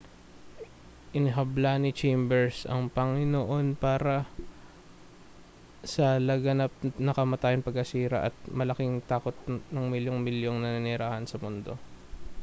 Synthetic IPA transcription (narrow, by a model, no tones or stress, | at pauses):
ʔɪnɪɦɐblanɪt͡ʃɛjmbɛɹsɐ̰ŋpɐŋɪnoʔo̞npaːɾɐ | sɐlɐɡɐnap̚nɐkɐmɐt̪aːjɐnpɐɡɐsiːɾɐ̰ʔɐt̪̚mɐlɐkɪŋt̪aːko̞t̪̚nɐŋmɪljoŋmɪljoŋnɐnɪnɪɾaːhɐnsɐmʊnd̪o̞̰